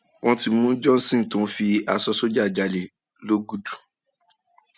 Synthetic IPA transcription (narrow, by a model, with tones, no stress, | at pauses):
w̃ɔ̃˧ti˧mũ˦d͡ʒɔ̃˦n̩˦sĩ˦˨tũ˨˦fi˧a˧sɔ˧so˦d͡ʒa˦˨d͡ʒa˨le˨ | lo˦ɡu˦du˨